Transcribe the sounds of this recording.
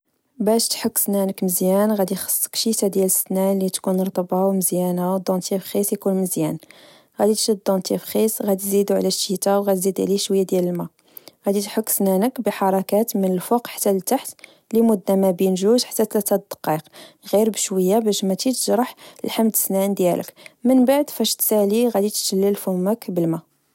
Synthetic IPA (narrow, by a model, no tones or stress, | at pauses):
bæʃt̪ħəkːsnænəkməzjænɣæd̪ixə̥sˤːə̥kʃit̪æd̪jæləsnælit̪kunɾˤt̪ˤɑbɑwməzjænawd̪ɑ̃nt̪ifxisjkunməzjæn | ɣæd̪it̪ʒəd̪̚d̪ɑ̃nt̪ifxisɣæd̪izid̪uʕlæʃːit̪awɣæt̪zid̪ʕliʃwəjːad̪jæləlmæ | ɣæd̪it̪ħəkːsnænəkbəħɑɾˤɑkæt̪mənəlfuqħḁt̪ːælt̪aħt̪ | limʊd̪ːamæbinʒuʒħḁt̪ːæt̪læt̪æd̪ə̥qːiqɣiɾbəʃwəjːabæʃmæt̪it̪əʒɾˤɑħlħamd̪əsnænd̪jæ̰lə̰kmənbaʕd̪fæʃt̪sæliɣæd̪it̪ʃəlːəlfʊməkbəlmæ